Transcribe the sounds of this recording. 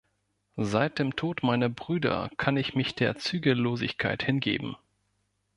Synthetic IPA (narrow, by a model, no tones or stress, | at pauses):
zaɪt̚d̥eːmtʰoːtmaɪnəbʁyːdɐ̰kʰanɪçmɪçd̥eːɐt͡syːɡəloːzɪ̰çkʰa̰ɪthɪnɡḛːbm̩